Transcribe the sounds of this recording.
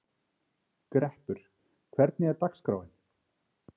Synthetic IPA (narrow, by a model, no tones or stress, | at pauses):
kɾɛhpʏɾ̥ | kʰvɛɾt̪nɪɛɾt̪akskɾa̰wɪn